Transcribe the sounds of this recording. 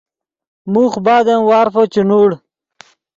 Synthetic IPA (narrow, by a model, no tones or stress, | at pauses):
muχbaːd̪anwaːɾfot͡ɕinuːɽ